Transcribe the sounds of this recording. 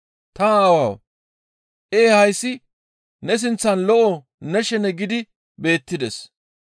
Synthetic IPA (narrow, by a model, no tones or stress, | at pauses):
t̪ɐːwaw | ʔeːhɐjsːɪ | nɛs̬ɪnt͡sːɐnlɔʔɔ | nɛʃɛnɛɡɪd̪ɪ | be̞ːt̪ːɪd̪ɛs